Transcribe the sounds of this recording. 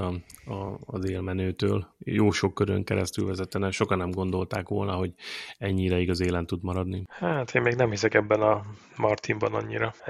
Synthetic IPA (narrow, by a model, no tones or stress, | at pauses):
ɒɒːzeːlmɛnøːt̪øːljoːʃo̞kːøɾø̰ŋkɛɾɛ̰st̪ylvɛzɛt̪ɛnɛʃo̞kɒnːɛmɡo̞nd̪o̞lt̪aːkʋo̞lnɒɦo̞ɟɛɲːiːd̪ɛiɡɒzeːlɛnt̪ːud̪mɒɾɒd̪nihaːt̪ʰeːmmeːɡnɛmhisɛkɛbːɛnɒ | mɒrt̪imbɒnɒ̰ɲːiɾɒ